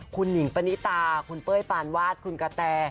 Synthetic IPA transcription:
kʰu˧nːi˩˦ŋpa˧ni˦˥t̪aː˧kʰu˧npɤː˥˩jpaː˧nwaː˥˩t̪̚kʰu˧nka˧t̪ɛː˧

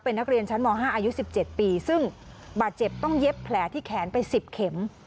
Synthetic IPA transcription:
pe˧nːa˥k̚ɾi˧ənt͡ɕʰa˦˥nmɔː˧ŋɦaː˥˩ʔaː˧ju˦˥si˨˩p̚t͡ɕe˨˩t̪̚piː˧sɯ˥˩ŋ | baː˨˩t̪̚t͡ɕe˨˩p̚t̪ɔ˥˩ŋje˦˥pʰːlɛː˩˦t̪ʰiː˥˩kʰɛː˩˦npa˧jsi˨˩p̚kʰe˩˦m

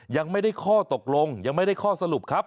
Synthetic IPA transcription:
ja˧ŋma˥˩jda˥˩jkʰɔː˥˩t̪o˨˩k̚lo˧ŋja˧ŋma˥˩jda˥˩kʰɔː˥˩sa˧lu˨˩p̚kʰa˦˥p̚

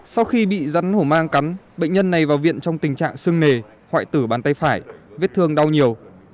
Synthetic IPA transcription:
sa˧wxi˧ɓḭ˧˨za˨˦nho˧˩maː˧ŋka˨˦nɓḛ˧˨ŋ̟ɲə˧nːa˨˩jvaː˨˩wvḭ˧˨ənt͡ɕɔ˧wŋ͡mt̪ï˨˩ŋ̟t͡ɕa̰ː˧˨ŋsɨ˧əŋne˨˩ | hwa̰ː˧˨jt̪ɨ˧˩ɓaː˨˦nt̪a˧jfaː˧˩jvi˦˥t̚t̪ʰɨ˧əŋɗa˧wɲi˨˩əw

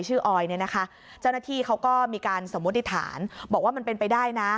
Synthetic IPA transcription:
jt͡ɕʰɯː˥˩ʔɔː˧jni˥˩ɐna˦˥kʰa˦˥ | t͡ɕa˥˩wnaː˥˩t̪ʰiː˥˩kʰa˦˥wkɔː˥˩miː˧kaː˧nso˩˦mu˦˥t̪̚ːi˦t̪ʰa̰ː˩˦nbɔː˨˩k̚waː˥˩ma˧npe˧npa˧jdaː˥˩jna˦˥

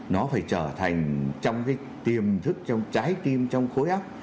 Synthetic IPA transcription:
nɔ˨˦faː˧˩jt͡ɕəː˧˩t̪ʰa˨˩jŋ̟t͡ɕɔ˧wŋ͡mkaː˨˦j | t̪i˨˩əmt̪ʰɨ˦˥k̚t͡ɕɔ˧wŋ͡mt͡ɕaː˨˦jt̪i˧əmt͡ɕɔ˧wŋ͡mxo˨˦jʔaː˦˥p̚

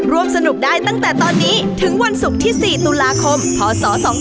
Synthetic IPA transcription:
ɾu˧əmsa˧nu˨˩p̚ɗaː˧jt̪a˦˥˩ŋt̪ɛː˨˩t̪ɔː˧nːiː˦˥t̪ʰɯ˨˩˦ŋwa˧nsu˨˩k̚t̪ʰiː˥˩si˨˩t̪u˧laː˧kʰo˧mk̪ʰɔː˨˩˦sɔː˨˦sɔː˨˦˥

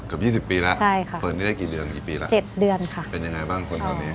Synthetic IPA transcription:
kɯ˨˩p̚jiː˥˩si˨˩pːiː˧lɛ˦˥ʔt͡ɕʰa˥˩jkʰa˦˥˩pəː˨˩t̪̚naː˥˩daː˥˩kiː˨˩dɯ˧ənkiː˨˩piː˧lɛ̰˦˥t͡ɕe˨˩t̪̚dɯ˧ənkʰa˥˩pe˧nja˧ŋa˧jbaː˥˩ŋkʰo˧nʰa˨˩niː˦˥

